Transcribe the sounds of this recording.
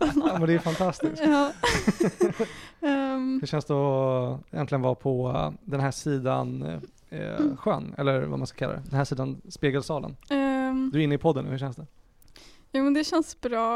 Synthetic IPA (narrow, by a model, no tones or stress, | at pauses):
ɑːmɛnd̪ɛæfant̪ʰast̪ɪskɑː | hɵʂɛnsd̪ɛ | jɛnt̪lɪɡənvapʰɔd̪ɛnɦæːʂiːd̪a̰n | ɧœ̰nːɛ̰lːəɾva̰ma̰nskḁkʰalːa̰ɛ̰d̪ɛnhæːʂiːd̪anspeːɡəlsɑːlə̰n | d̪ɵɪnːəɪpʰɔd̪ənːʉ̰hɵ̟ɕɛnsd̪ɛ | juːmɛnd̪ɛɕɛnsbɾɑː